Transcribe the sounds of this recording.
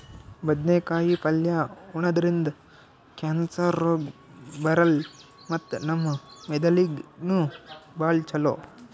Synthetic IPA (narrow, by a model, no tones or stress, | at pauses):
bɐd̪neːkaːjipɐljauɳɐd̪ɐɾind̪ɐ | kaːnsɐɾːoːɡbɐɾɐl | mɐt̪ːnɐmːɐmɛd̪ɐliɡnubaːɭt͡ʃɐlo̰ː